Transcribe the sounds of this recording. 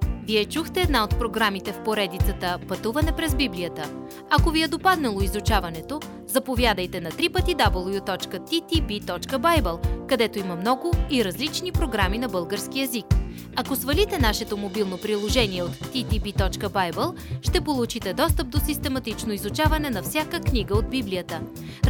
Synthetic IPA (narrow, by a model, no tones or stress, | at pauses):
viɛt͡ʃuxt̪ɛɛd̪naot̪pɾoɡɾamit̪ɛfpoɾɛd̪it̪sət̪əpɐt̪uvɐnɛpɾɛzbiblijət̪ə | ɐkoviɛd̪opad̪nɛlˠoizut͡ʃavɐnɛt̪o | zɐpovjad̪əjt̪ɛnɐt̪ɾipət̪id̪abəlˠvjut̪ɔt͡ʃkət̪it̪ibit̪ɔt͡ʃkəbajbɛlˠkɐd̪ɛt̪oimɐmnɔɡʊiɾɐzlit͡ʃnipɾoɡɾaminɐbɤlˠɡəɾsk̟iɛzik | ɐkosvɐlit̪ɛnaʃɛt̪omobilˠnopɾilˠoʒɛniɛot̪ːit̪ipit̪ɔt͡ʃkəbajbəlˠ | ʃt̪ɛpolˠut͡ʃit̪ɛd̪ɔst̪əp̚d̪osist̪ɛmɐt̪it͡ʃnoizut͡ʃavɐnɛnɐfsʲakəkniɡəod̪̚biblijət̪ə